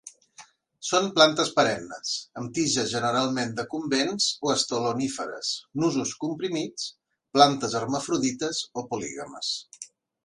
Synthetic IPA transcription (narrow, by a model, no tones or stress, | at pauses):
sonplant̪əspəɾɛmnəsəmt̪iʒəzʒənəɾalˠmend̪əkumbenzoəst̪olunifəɾə̰snuzuskumpɾimit͡s | plant̪əzərməfɾuðit̪əzopulḭɣəmə̰s